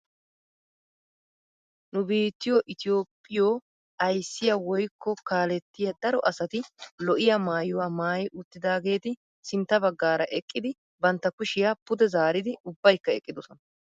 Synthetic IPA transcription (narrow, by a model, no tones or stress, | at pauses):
nʊbiːt̪ːɪjoʔɪt̪ɪjo̞ːpʼːɪjoː | ɐjsːɪjɐwɔjkːɔkaːlɛt̪ːɪjɐd̪ɐɾɔʔɐsɐt̪ɪlɔʔɪjɐmaːjɔwaːmaːjɪʔʊt̪ːɪd̪aːɡe̞ːt̪ɪ | sɪnt̪ːɐbɐɡːaːɾɐʔɛkʼːɪd̪ɪ | bɐnt̪ːɐkʊʃɪjapʊd̪ɛzaːɾɪd̪ɪʊbːɐjkːɐɛkʼːɪd̪ɔsɔnɐ